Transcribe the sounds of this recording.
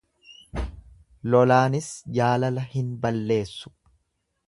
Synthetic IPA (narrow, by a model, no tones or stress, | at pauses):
lɔlaːnɪsd͡ʒaːlɐlɐhɪnbɐlːe̞ːsːʊ̥